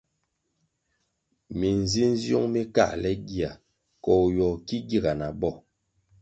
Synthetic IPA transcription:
mi˨n˨zi˦n˦zjo̰˦ŋmi˦ka̰˦˨lɛ˦ɡi˦a˨ | kɔ˨jɔ˨ki˦ɡi˦˨ɡa˨na˨bɔ˦˨

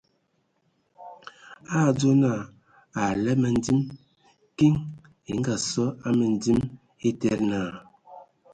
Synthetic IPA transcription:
a˦˨d͡zo˦na˦˨ | a˨lɛ˦mə˨n̩˦di˦m | ki˦ŋ | e˨ŋ̩˦ɡa˨sɔ˦a˦mə˨n˨di˦m | e˦tɛ˦ɾnaː˨

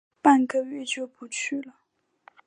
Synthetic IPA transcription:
pa˥˨nkə˥˧ɥɛ˥˧t͡ɕjo˥˩ʊpu˧˥t͡ɕʰy˥˩lə˩

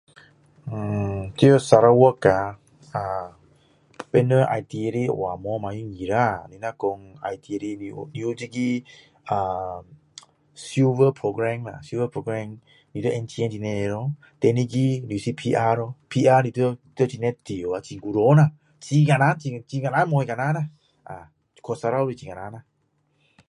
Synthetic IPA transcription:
t̪i˧osa˧ɾawɔka | a | pɛ˧nəʔa̰˨jt̪i˧eɾḭwa˨mɔ˧ma˨ju˦ŋi˨ɾani˧na˧kɔ˧ŋa̰˨jt̪ʰi˧eɾi˧nḭniud͡ʒi˦ɡi˦ | a | sjuvəpʰɾoɡɾɛ˧ŋna̰˨su˧vəpʰɾoɡɾɛ˧ŋ | ni˧t̪ə˦ʔɛ˧nt͡ʃi˧ɛ˧nt͡ʃi˧nɛɾɔ | t̪ɛ˧ni˧ɡi˦ni˨u˨si˧pʰi˧ʔa˧ɾɔ˧pʰi˧ʔa˧ni˧t̪əi˧t̪ə˦t͡ʃi˧nɛ˦t̪i˨o˨a˧t͡ʃi˧ŋɡu˧ɾo˦na | t͡ʃi˧ŋa˨na˦nt͡ʃi˧t͡ʃi˧ŋa˧na˦nmɔ˧jka˧na˦na | ʔa̰˨ | kʰɔ˧sa˧ɾawɾi˧t͡ʃi˧ŋa˨na˧na˧

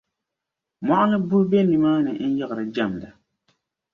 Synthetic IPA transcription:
ma˦ʔa˦nɨ˦bʊ˦hbe˦nːi˨maː˦nɨ˨n̩˦jɛ˦ɣɨ˨ɾɨ˨d͡ʒa˦˨m˨da˨

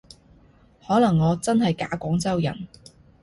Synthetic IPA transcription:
hɔː˨˥lɐ˨˩ŋːɔː˨˧t͡sɐ˥nhɐ˨jka̰ː˨˥kʷɔː˨˥ŋt͡sɐ˥wjɐ̰˨˩n

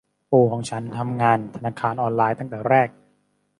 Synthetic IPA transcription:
poː˧˩kʰɔː˩˦ŋt͡ɕʰa˦˥nt̪ʰa˧mŋaː˧nt̪ʰa˧naː˧kʰaː˧nʔɔː˧nlaː˧jt̪a˥˩ŋt̪ɛː˨˩ɾɛː˥˩k̚

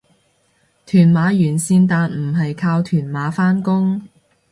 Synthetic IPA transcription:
t̪ʰyː˨˩nmaː˨˧jyː˨˩nsiː˧nt̪aː˨nm̩˨˩ɦɐ˨jkʰaː˧wt̪ʰyː˨˩nmaː˨˥faː˥nkʊ˥ŋ

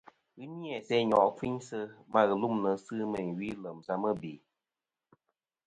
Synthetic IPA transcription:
ɣɨ˦njɛ˨sɛ˦ɲɔ˨ʔfi˦ɲsə˧ma˦ɣɨ˨lu˦mnə˨˦sɨ˦mə˨ɥi˦lə˨msa˦mə˦˨be˨

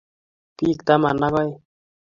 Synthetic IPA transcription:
pi˦kt̪a˦ma˨na˦ɣa˦j

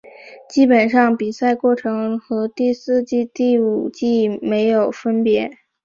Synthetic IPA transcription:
t͡ɕi˥pə˨˩nʂɑ˥˩ŋpi˨˩sa˥˧ɪkwɔ˥˩ʈ͡ʂʰɤ˧˥ŋxɤ˧˥t̪i˥˧sɹ̩˥˧t͡ɕi˥˧t̪i˥˩u˨˩t͡ɕi˥˩me˧˥ɪjo˨˩ʊfə˥npjɛ˧˥

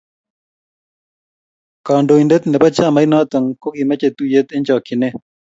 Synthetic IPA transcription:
ka˨ndo˨i˨ndɛ˦t̪nɛ˨pa˦t͡ʃa˦˨ma˨˦ɪ˦nɔ˦t̪ə˨ŋko˦ɡi˨mɛ˦t͡ʃe˨t̪u˦je˦t̪ɪ˦nd͡ʒɔ˨kɪ˨ne˦

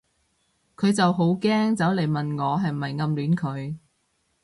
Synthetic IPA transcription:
kʰɵ˨˧ɥt͡sɐ˨wɦo˨˥wkɛː˥ŋt͡sɐ˨˥wle˨jmɐ˨nŋɔː˨˧ɦɐ˨jm̩˨hɐ˨jŋɐ˧mlyː˨˥nkʰɵ˨˧ɥ

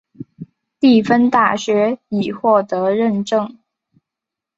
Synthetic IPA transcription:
t̪i˥˩fə˥nt̪a˥˩ɕɥɛ˧˥i˨˩xwɔ˥˩t̪ɤ˧˥ɻə˥˧nʈ͡ʂɤ˥˧ŋ

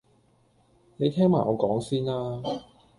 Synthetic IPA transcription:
ne˨˧jt̪ʰɛː˥ŋmaː˨˩ɔː˨˧kɔː˨˥ŋsiː˥nlaː˥

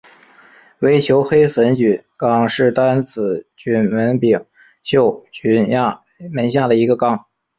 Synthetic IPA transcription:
we˧˥ɪt͡ɕʰjo˧˥ʊxe˥ɪfə˧˥nt͡ɕy˨˩˦kɑ˥ŋʂɻ̩˥˩t̪a˥nt͡sɹ̩˨˩t͡ɕy˧˥nwə˧˥npi˨˩ŋ | ɕjo˥˩ʊt͡ɕy˧˥nj | mə˧˥nɕja˥˩d̪ə˩i˧˥ɡə˧kɑ˥ŋ

